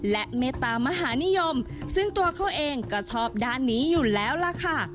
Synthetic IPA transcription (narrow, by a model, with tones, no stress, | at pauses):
lɛ˦˥ʔmeː˧t̪aː˧ma˧ɦaː˩˦ni˦˥jo˧m | sɯ˥˩ŋt̪u˧ɐkʰa˦˥˩wʔeː˧ŋka˧˩t͡ɕʰɔː˦˥˩p̚daː˧nːiː˦˥juː˨˩lɛː˦˥wla˧˥kʰa˧˥˩